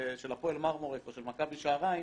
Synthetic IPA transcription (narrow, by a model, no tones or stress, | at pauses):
ʃelapoelmaʁmoʁekoʃelmakabiʃaːʁai